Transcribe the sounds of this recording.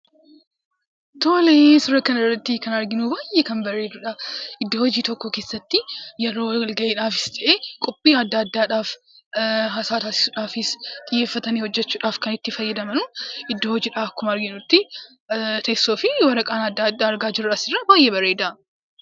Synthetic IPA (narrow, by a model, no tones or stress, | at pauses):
t̪oːlɛsʊɾɐkɐnɪrːɐt̪ːɪkɐnɐɾɡɪnubaːjʔːɛkɐnbɐrːe̞ːd̪uːᶑɐɪd̪ːohɔd͡ʒiːt̪ɔkːɔkeːsːɐt̪ːɪjɛɾo̞ːwlɡɐʔeːᶑaːfɪst̪ʰɐʔeːkʼʊpʼːiːɐd̪ːɐːɐd̪ːaːᶑaːf | ɦaːsaːt̪aːsɪ̥suːᶑaːfɪst̪ʼɪjːe̞ːfːɐt̪ɐniːhɔd͡ʒːɛt͡ʃːuːᶑaːfkɐnɪt̪ːɪfɐjːɐd̪ɐmɐnuʔɪd̪ːoːhɔd͡ʒiːᶑaːkʊmɐɾɡɪnʊt̪ːɪ | t̪ʰesːo̞ːfɪwɐɾɐkʼaːnɐd̪ːad̪ːaːɐɾɡaːd͡ʒɪɾʊᶑɐsɪrːaːbaːjʔeːbɐrːeːd̪ɐ